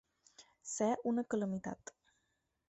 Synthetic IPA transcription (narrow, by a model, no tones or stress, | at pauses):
sɛʔunəkələmit̪a̰t̪